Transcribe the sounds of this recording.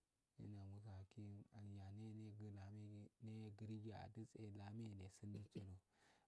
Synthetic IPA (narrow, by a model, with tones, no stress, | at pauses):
ḭ˦na˨mu˦s̬a˨a˨ki˦a˨ja˨ne˦ne˦ɡla˨me˦ne˦ɡi˨˦ɾi˦ɡi˦a̰˨di˦t͡sʼe˦˨la˨me˦˨ne˨si˦n˦di˦t͡ʃe˦ɾo˨